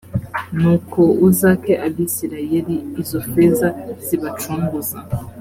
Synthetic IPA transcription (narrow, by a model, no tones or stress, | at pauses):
nukɔuzakɛʔabisiɾajɛliizɔfɛzaz̥iβat͡ʃuŋɡuza